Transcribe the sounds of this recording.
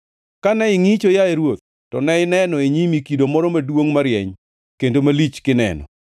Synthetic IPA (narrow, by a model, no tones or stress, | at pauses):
kanɛɪŋit͡ʃojaeɾwot̪̚ːɔnɛɪnɛnɔeɲimikidomɔɾɔmadwoŋmaɾjɛ̰ɲ | kendomalit͡ʃkɪnɛ̰nɔ̰